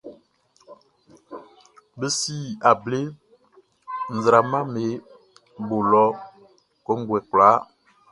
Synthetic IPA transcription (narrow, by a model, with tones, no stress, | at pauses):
be˦si˦˨a˨ble˦ | n̩˨zɾa˨mã˦me˨˦ | bo˨lɔ˦ | kɔ˦ŋ˦ɡwɛ˨kla˨˦